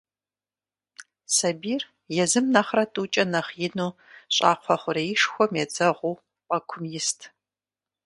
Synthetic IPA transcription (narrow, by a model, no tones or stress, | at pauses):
sɐbiːr | jɛzɨmnɐχrɐtʼuːt͡ʃʼɐnɐχjɪnuːɕʼa̰ːqʷʰɔχʷʊɾɐjɪʂxʷɔmɛd͡zɐʁʷuː | qʼɐkʷʰʊmjɪstʰ